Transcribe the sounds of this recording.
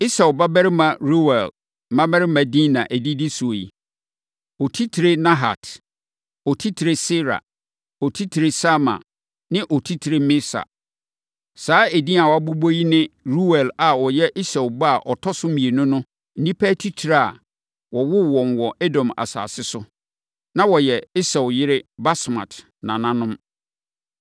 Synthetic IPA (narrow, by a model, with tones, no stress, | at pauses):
i˦sɛ˨ba˦bɛ˦ɾɪ˦mã˨ɾu˦wɛ˨l | mã˦bɛ˦ɾɪ˦mã˨dĩ˦nã˨ʔæ˨di˦di˦su˨o˨jḭ˨ | ɔ˨tʰi˦tʰi˨ɾe˦nã˦ɦa̰˨t | ɔ˨tʰi˦tʰi˨ɾe˦sɪ˦ɾa̰˨ | ɔ˨tʰi˦tʰi˨ɾe˨sa˦mã̰˨ | nɪ̃˦ʔɔ˨tʰi˦tʰi˨ɾe˦mɪ̃˦sa̰˨ | saː˨˦e˨dĩ˦a˨wɔ˨a˦bu˦bo˦ji˦nɪ̃˦ɾu˦wɛ˨la˨wɔ˨jɛ˦ʔɪ˦sɛ˨wba˦a˨ʔɔ˨tʰɔ˦sʊ˦mĩ˨e˨nʊ̃˦nʊ̃˦ | nĩ˦pʰæː˦tʰi˦tʰi˨ɾa˦˨a̰˨ | wɔ˨wʊ˦wɔ̃˨n˨wɔ˨ʔe˦dɔ̃˨ma̰˨sa̰ː˨sɪ˦sʊ˦ | nã˦wɔ˨jɛ˨ɪ˦sɛ˨wjɪ˦ɾɪ˦ba˦smã̰˨t | nã̰˨nã˦nʊ̃˦m